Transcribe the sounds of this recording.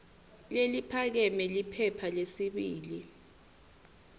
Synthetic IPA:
lelipʰak̬ɛmɛlipʰɛpʰalesiɓiːli

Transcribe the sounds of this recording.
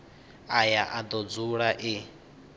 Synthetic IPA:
ajaʔad̪ɔd͡zuɺaʔɪ

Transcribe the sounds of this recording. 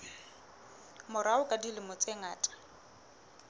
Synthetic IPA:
mʊɾaʊkʼadilɪmʊt͡sʼeŋaːtʼḁ

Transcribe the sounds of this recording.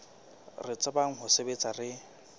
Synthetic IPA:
rɪt͡sʼabaŋ̩ɦʊsebet͡sʼarɪ

